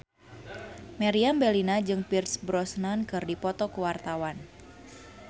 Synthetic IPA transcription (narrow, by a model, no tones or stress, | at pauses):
maɾiambɛlinad͡ʒɨŋpirsbɾɔsnankɨrdipɔt̪ɔkuwart̪awan